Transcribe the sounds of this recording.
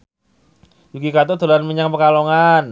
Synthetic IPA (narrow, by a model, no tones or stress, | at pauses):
jukikat̪̬ot̪olanməɲaŋpəkaloŋan